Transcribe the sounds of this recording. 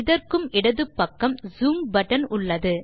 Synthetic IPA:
ɪðɐrkɯmʔɪɽɐðɯpːɐkːɐmzuːmbɐʈːɐnʊɭːɐðɯ

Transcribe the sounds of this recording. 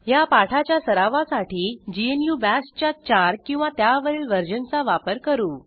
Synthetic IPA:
japaʈʰat͡ɕjasəɾaʋasaʈʰiːd͡ʑienjubæst͡ɕat͡ɕaɾkĩw̃ʋat̪jaʋəɾiːlʋəɾd͡ʑənt͡saʋapəɾkəɾuː

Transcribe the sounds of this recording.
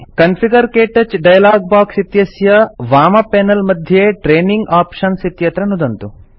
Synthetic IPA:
kɐnpʰiɡɐɾkeːʈɐt͡ʃɖɐjɐlaːɡ̚baːksit̪jɐsjɐʋaːmɐpeːnɐlmɐd̪ʱjeːʈɾeːniŋɡaːpʂɐnsit̪jɐt̪ɾɐnud̪ɐnt̪u

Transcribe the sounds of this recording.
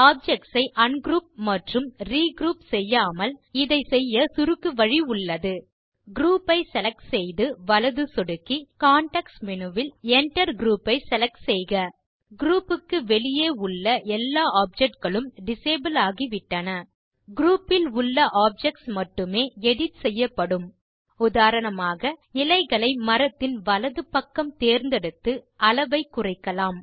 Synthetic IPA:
aːp̚d͡ʒɛk̚ʈsɐɪʔɐnɡɾuːp̚mɐʈrɯmriːɡɾuːpsɛjːaːmɐlɪðɐɪsɛjːɐsʊɾɯkːɯʋɐɻiʊɭːɐðɯ | ɡɾuːpːɐɪsɛlɐk̚sɛjðɯʋɐlɐðɯsɔɽɯkːikaːɳʈɐksmɪnɯʋɪlɛɳʈɐɾɡɾuːpːɐɪsɛlɐk̚ʈsɛjɣɐ | ɡɾuːpːɯkːɯʋɛɭɪjeːʊɭːɐʔɛlːaːaːp̚d͡ʒɛk̚ʈ̚ɡɐɭɯmɖɪseːbɐlaːɣiʋɪʈːɐnɐ | ɡɾuːpːɪlʊɭːɐʔaːp̚d͡ʒɛk̚ʈsmɐʈːɯmeːɛɽɪtsɛjːɐpːɐɽɯm | ʊðaːɾɐnɐmaːɣɐɪlɐɪɣɐɭɐɪmɐɾɐt̪ːɪnʋɐlɐðɯpɐkːɐmt̪eːɾnd̪ɛɽɯt̪ːɯʔɐlɐʋɐɪkːʊrɐɪkːɐlaːm

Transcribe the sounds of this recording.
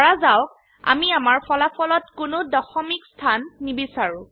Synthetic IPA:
ɔɹazawk | a̰miamaɹpʰɔlapʰɔlɔtkʊnʊdɔxɔmikstʰanːibisaɹʊ̃

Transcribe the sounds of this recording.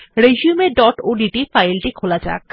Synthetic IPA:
ɾeʃiumeɖɔʈoɖiʈifajlʈikʰolad͡ʑa̰k̚

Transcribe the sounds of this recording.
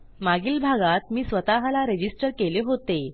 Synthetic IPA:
maɡiːlbʱaɡat̪miːsʋət̪aɦlaɾed͡ʑisʈəɾkeleɦot̪e

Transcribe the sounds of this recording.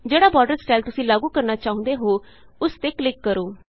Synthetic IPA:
d͡ʒeːɽaːbɔːɖəɾsʈaːɪlt̪ʊsĩːlaːɡũːkəɾnaːt͡ʃaːɦʊ̃nd̪eːɦoː | ʊst̪eːklɪkːəɾoː

